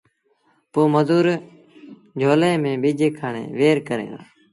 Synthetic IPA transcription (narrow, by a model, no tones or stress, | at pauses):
poːməzuːɾ | d͡ʒʱoːlẽːmẽːbiːd͡ʒeːkʰaːɳḛːʋeːɾkəɾḛ̃ːd̪a̰ː